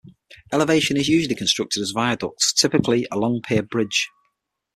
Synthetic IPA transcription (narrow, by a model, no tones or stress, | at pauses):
ɛlɪveɪʃə̃nɪzjʉːʒəlˠɪkʰə̃nstɹ̥ʊk̚tʰɪdəzvaɪədɒ̰k̚tstʰɪpɪkʰlɪəlɒ̃ŋpʰɪəbɹɪd̥ʒ̥